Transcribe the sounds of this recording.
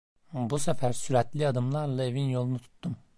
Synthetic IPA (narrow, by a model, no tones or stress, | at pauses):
busæfæɾsyɾæt̪lʲiɑd̪ɯmlˠɑɾlˠɑe̞vinjo̞lˠunut̪ʰu̥t̪ːum